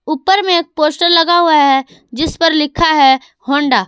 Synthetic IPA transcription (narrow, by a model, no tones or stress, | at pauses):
uːpːəɾmẽeːk̚poːsʈəɾlɐɡaɦuaɦɛ | d͡ʒɪspəɾlɪkʰaɦɛ | hõːɳɖaː